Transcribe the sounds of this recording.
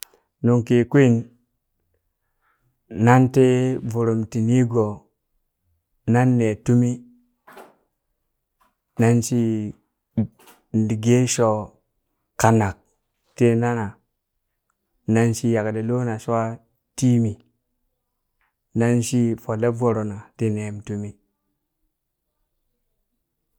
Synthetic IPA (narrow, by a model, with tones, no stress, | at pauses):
nu˨ŋke˨kʷi˦n | na˦nte˦vu˨ɾo˨mti˨ni˦ɡo˨ | na˦nːe˨tu˦mi˦ | na˦nʃi˦ | n˨di˨ɡe˦ʃo˨ | ka˨na˨k̚ | te˦na˦na˨ | na˦nʃi˦ja˨kde˨lo˦na˨ʃwa˦ | ti˦mi˨ | na˦nʃi˦fo˨le˦vo˨ɾo˨na˨te˦ne˨mtu˦mi˦